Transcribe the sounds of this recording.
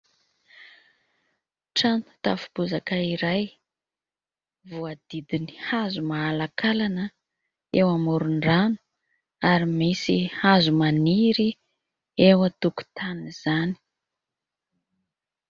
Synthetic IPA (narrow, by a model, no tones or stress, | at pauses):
ʈ͡ʂanu̥t̪a̰fu̥buzakaiɾaj | vuad̪̥id̪ini̥hazumaːlakalanə | ewamuɾuɳɖ͡ʐanu̥ | aɾimisihazumaniɾi | ewət̪uku̥t̪ʰaniz̥ani̥